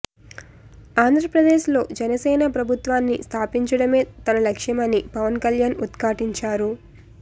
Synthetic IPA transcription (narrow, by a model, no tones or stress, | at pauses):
aːnd̪ʱɾɐpɾɐd̪eːʃlo̞ːd͡ʒɛnɐsɛːnapɾɐbʱut̪ʋaːnːist̪ʰaːpiɲt͡ʃɐɽɐme̞ːt̪ɐnɐlɐkʂɐmɐnːipɐʋɐnkɐljaːnut̪kaːʈiɲt͡ʃaːɾu